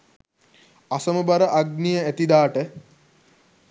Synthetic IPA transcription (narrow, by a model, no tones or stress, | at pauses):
asəməbaɾəʔaɡnijəæt̪id̪aːʈə